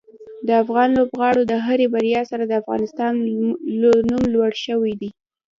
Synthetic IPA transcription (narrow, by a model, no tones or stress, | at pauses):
d̪əafɣɑnlobɣɑɽod̪əɦaɾebaɾjɑsaɾad̪əafɣɑ̰nɪst̪ɑn | numlwaɽʃəwid̪i